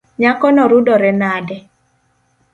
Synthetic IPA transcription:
ɲakɔnɔɾʊdɔɾɛnadɛ

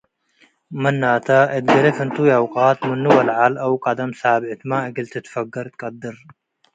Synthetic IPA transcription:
mɐnːat̪ʰɐʔɐd̪ɡɐɾɐfɨnt̪ʰujawqʼat̪mɨnːuwɐlʕalɐwkʼad̪ɐmsaʕbʕɨt̪ʰɨmaɨɡɨlt̪ʰɨt̪ʰɨ̥fɐɡɐɾt̪kʼɐd̪ɨɾ

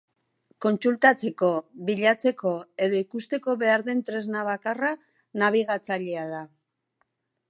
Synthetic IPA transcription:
ko̞nt͡sult̪at͡se̞ko̞βiʎat͡se̞ko̞e̞ðo̞ikust̪e̞ko̞βe̞aɾðe̞nt̪ɾe̞znaβakara | naβ̞iɣat͡saʎeaða

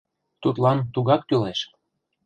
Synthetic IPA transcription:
t̪ut̪lɑnt̪uɣɑk̚t̪yleʃ

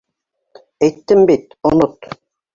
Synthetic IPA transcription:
ɛjt̪ːɘmbit̪onʊt̪

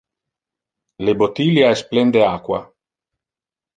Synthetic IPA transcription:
lebot̪iljaesplend̪eaːkwa

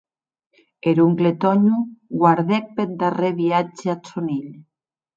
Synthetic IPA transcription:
eɾuŋklet̪ɔɲuɡwaɾðek̚pet̪̚d̪areβiad͡ʒeasoniʎ

